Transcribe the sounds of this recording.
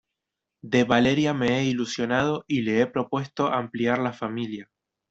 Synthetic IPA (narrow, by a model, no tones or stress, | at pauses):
d̪e̞βale̞ɾjame̞eilusjo̞nað̞o̞ʔile̞epɾo̞pwe̞st̪o̞ʔampliaɾlafamilja